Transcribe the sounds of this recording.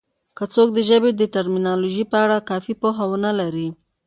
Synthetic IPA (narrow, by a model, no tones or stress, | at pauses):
kət͡sok̚d̪əʒəbed̪əʈaɾminɑloʒipəaɽakɑfipoɦawənalaɾi